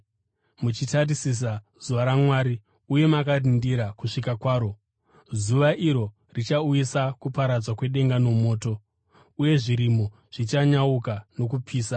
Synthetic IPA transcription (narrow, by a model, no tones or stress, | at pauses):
mut͡ʃitarisis̬a | z̥uʋaɾamwaːɾi | uje̞makarindiɾakuʂikakwaːɾo̞ | zuʋaʔiɾo̞ | rit͡ʃaujisakupaɾad͡zwakwe̞ɗe̞ŋɡano̞mo̞ːto̞ | uje̞ʐiɾimo̞ | ʐ̥it͡ʃaɲaukano̞kupʰiːsa